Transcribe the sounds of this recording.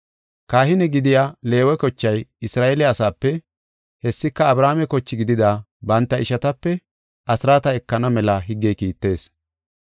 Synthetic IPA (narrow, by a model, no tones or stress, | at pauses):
kaːhɪnɛɡɪd̪ɪjaːle̞ːwɛkɔt͡ʃːɐjɪsɾaːʔelɛɐsaːpːɛ | hɛsːɪkːɐːbɾaːmɛkɔt͡ʃːɪɡɪd̪ɪd̪aː | bɐnt̪ːɐɪʃɐt̪ɐpːɛ | ɐsɾaːt̪ɐɛkːɐnɐmɛlɐɦɪɡːejkiːt̪ːe̞ːs